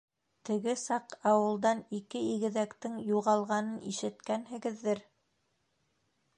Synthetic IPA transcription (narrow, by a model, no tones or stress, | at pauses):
t̪ɘ̆ɡɘsɑqɑwɤ̆lˠd̪ɑnikɘiɡɘ̆ðækt̪ɘŋjuʁɑlˠʁɑnɤniʃɘ̆t̪kænɦɘ̆ɡɘ̆ðːɘɾ